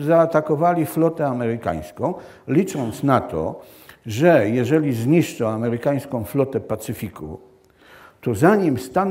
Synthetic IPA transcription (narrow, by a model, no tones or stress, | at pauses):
zaːt̪akɔvalʲiflɔt̪ɛamɛɾɘka̰j̃skɔ̃w̃ | lʲit͡ʂɔnt̪snat̪ɔ̰ | ʐɛjɛʐɛlʲizɲiʂt͡ʂɔ̃w̃amɛɾɘkaj̃skɔ̃w̃flɔt̪ɛpat̪sɘfʲikṵ | t̪ɔzaɲimst̪an